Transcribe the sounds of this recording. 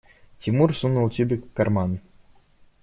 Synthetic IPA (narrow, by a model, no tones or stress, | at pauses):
t̪ʲimursunulˠt̪ʲybʲikkarman